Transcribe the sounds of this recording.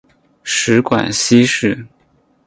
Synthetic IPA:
ʂɻ̩˧˥kwa̰˨˩nɕi˥ʂɻ̩˥˩

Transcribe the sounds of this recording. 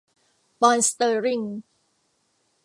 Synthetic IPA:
pɔː˧nst̪ɤː˧ɾi˥˩ŋ

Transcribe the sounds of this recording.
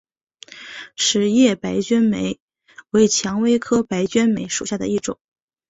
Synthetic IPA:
ʂɻ̩˨˩jɛ˥˩pa˧˥ɪt͡ɕɥɛ˥nme˧˥ɪ | we˧˥ɪt͡ɕʰjɑ˧˥ŋwe˥ɪkʰɤ˥pa˧˥ɪt͡ɕɥɛ˥nme˧˥ɪʂu˨˩ɕja˥˩d̪ə̰˩i˥˩ʈ͡ʂʊ̰˨˩˦ŋ

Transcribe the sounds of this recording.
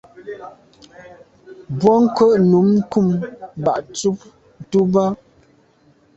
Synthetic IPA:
bwɔ˦ŋ̩˦kə˦ʔnu˨˦mŋ̩˦ku˦˨mba˨ʔt͡su˦p̚ | n̩˨tu˦ba˦

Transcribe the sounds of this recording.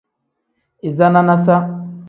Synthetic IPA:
i˨za˦na˦na˦sa˦

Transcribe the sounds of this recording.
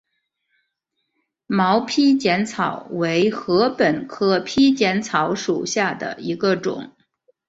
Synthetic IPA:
mɑ˧˥ʊpʰi˥t͡ɕjɛ˧˥nt͡sʰɑ˨˩˦ʊwe˧˥ɪxɤ˧˥pə˨˩nkʰɤ˥pʰi˥t͡ɕjɛ˧˥nt͡sʰɑ˧˥ʊʂu˨˩ɕja˥˩d̪ə̰˩i˧˥ɡə˧ʈ͡ʂʊ̰˨˩˦ŋ

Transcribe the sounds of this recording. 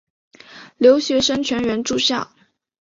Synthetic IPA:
ljo˧˥ʊɕɥɛ˧˥ʂə˥ŋt͡ɕʰɥɛ˧˥nɥɛ˧˥nʈ͡ʂu˥˧ɕja̰˥˩

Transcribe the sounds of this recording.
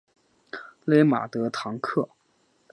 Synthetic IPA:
le˧˥ɪma̰˨˩t̪ɤ˧˥t̪ʰɑ˧˥ŋkʰɤ˥˩

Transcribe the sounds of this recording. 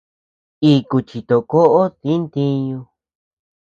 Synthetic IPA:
i˧ku˧t͡ʃi˨t̪o˨ko˦ʔo˦t̪i˦nt̪ĩ˧ɲũ˧

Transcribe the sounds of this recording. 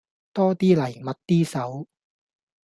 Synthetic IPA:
t̪ɔː˥t̪iː˥lɐ˨˩jmɐ˨t̚t̪iː˥sɐ˨˥w

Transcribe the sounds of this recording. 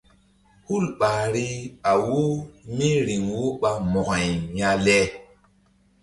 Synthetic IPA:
hu˦lɓaː˨ɾi˦a˨wo˦mi˦ɾi˨ŋwo˦ɓa˦mɔ˨ɣa˨jja˦lɛ˦

